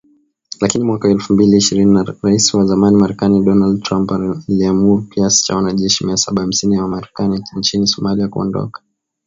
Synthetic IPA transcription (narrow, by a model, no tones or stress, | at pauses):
lakinimwakaɛlfumbiliːʃiɾininaɾaisiwazamanimaɾɛkaniɗɔnaldtɾampaliamuɾukiasi̥t͡ʃa̰wanaʄɛʃimiasaɓaham̩sinijawamaɾɛkaniɲt͡ʃinisɔmaliakuɔ̰ndɔ̰kḁ